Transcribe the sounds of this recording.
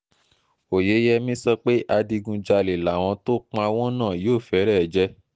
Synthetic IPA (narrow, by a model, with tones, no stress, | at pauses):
o˨je˨˦jɛ˧mĩ˦sɔ˧k͡pe˦ʔa˧di˧ɡũ˧d͡ʒa˧le˨la˨w̃ɔ̃˧to˦k͡pa˧w̃ɔ̃˦nãː˦˨joː˦˨fɛ˨˦ɾɛ˦˨d͡ʒɛ˦